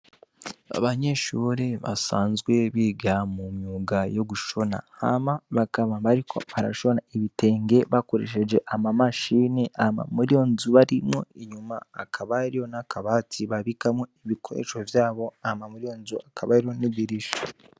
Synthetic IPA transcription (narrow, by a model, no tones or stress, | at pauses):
a̰βaɲe̞ʃuːɾeβa̰saːnzɡwe̞βiɡamumjuːɡajo̞ɡuʃona̰ha̰maβakaβaβaɾikʰo̞aɾa̰ʃo̞naeβite̞ːŋɡe̞βako̞ɾe̞̰ːʃe̞d͡ʒe̞ʔamamaʃiːniahma̰muɾio̞nzuβaɾimŋo̞̰iɲumaːkʰaβaɾijo̞nakʰaβatʰiβaβikamoiβikʰo̰ɾḛʃo̞vjaːβo̞ahmamuɾijo̞nzuakʰaβaɾiɾoniβiɾiʃḁ